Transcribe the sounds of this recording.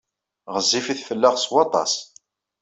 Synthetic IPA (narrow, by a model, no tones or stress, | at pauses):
ʁəzːifiθfəlːəʁswɑt̪ˤɑ̰s